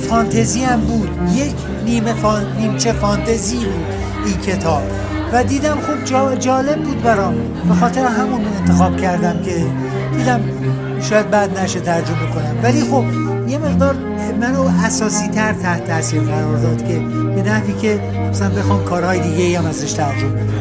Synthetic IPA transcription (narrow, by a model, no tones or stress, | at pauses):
fɒːnt̪ʰeziːæmbuːd̪jekʰ | niːmef | niːmt͡ʃʰefɒːnt̪ʰezibuːd̪ | iːncʰe̞t̪ʰɒːb̥ | væd̪iːd̪æmxob̚d͡ʒɒd͡ʒɒːle̞bːuːd̪bæɾɒːm | be̞xɒːt̪ʰe̞ɾeɦæmunmnent̪ʰe̞xɒːb̥̚cʰæɾd̪æmkʰe̞ | d̪̥iːd̪æm | ʃɒːjæd̪̚bæd̪næʃet̪ʰæɾd͡ʒo̞me̞konæmvæliːxo̞b | je̞me̞ʁd̪ɒːɾ | mænoæsɒːsiːt̪ʰæɾt̪ʰæht̪ʰæsiːɾʁæɾɒːɾd̪ɒːd̪̥kʲʰe̞ | benæhviːkʰe̞ | sæænbe̞xɒːmkʰɒːɾhɒːjed̪iːɡeiæmæzæʃt̪ʰæɾd͡ʒobek